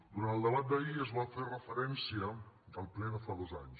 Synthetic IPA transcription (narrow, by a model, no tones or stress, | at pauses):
d̪uɾanəlˠd̪əβat̪̚d̪ɐiɐzβafeɾrəfəɾɛnsiɐdɐlˠplɛnəfaðozaɲʃ